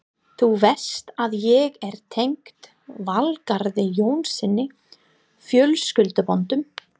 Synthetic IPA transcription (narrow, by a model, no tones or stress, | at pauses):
θuvɛ̥st̪aðjɛɣɛɾ̥t̪ʰejŋkt̪ | valkaɾðɪjoːwnsɪnːɪ | fjœlskʏlt̪ʏpɔnt̪ʏm